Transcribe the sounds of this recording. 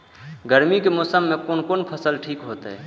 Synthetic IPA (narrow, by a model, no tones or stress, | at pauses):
ɡəɾmikemoːsəmːẽkonkoːnpʰəsəlʈʰiːkɦoːt̪ɦɛ̰ː